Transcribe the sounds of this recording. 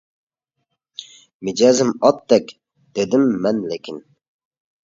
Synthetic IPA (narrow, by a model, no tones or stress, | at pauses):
mɪd͡ʒɛzɪmɑt̪̚d̪ɛkʲ | d̪̥ed̪ɪmːɛnlekʲʰin